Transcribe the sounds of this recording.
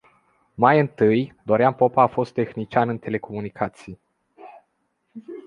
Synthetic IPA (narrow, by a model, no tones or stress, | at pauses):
majɨnt̪ɨjd̪oɾeampo̞paːfo̞st̪ːe̞xnit͡ʃʲanɨnt̪e̞le̞ko̞munikʰat̪sije